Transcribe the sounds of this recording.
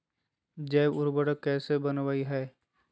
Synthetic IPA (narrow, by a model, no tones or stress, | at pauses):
d͡ʒɛːbʊɾbəɽəkːɛːsebɐnʋaːiɦɛː